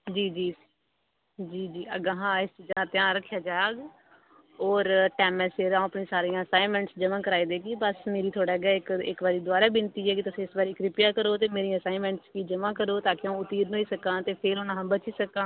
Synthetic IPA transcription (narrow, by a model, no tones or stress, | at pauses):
d͡ʒiːd͡ʒiː | d͡ʒiːd͡ʒiːəɡãːɦãːɪst͡ʃiːd͡ʒãːt̪ɪjãːɾəkʰːjaːd͡ʒaːɡ | ɔːɾʈɛːmɛ̃ːsɪɾãːũəpnẽːsaːɾijãːəsaːimɛ̃ːɳʈsd͡ʒəmãːkəɾaːiːd̪eːɡiːbəsmeːɾiːt̪ʰoːɽaːɡaɪkɪkbaːɾiːd̪ʊaːɾaːbɪnt̪iːɦɛːkɪt̪ʊsĩːɪsbaːɾiːkɾɪpɪjaːkəɾoːt̪eːmeːɾiːəsaːimɛ̃ːɳʈskiːd͡ʒəmãːkəɾoːt̪aːkɪaũːʊt̪iːɾnoːiːsəkãːt̪eːpʰeːlonaɦãːbət͡ʃiːsəkãː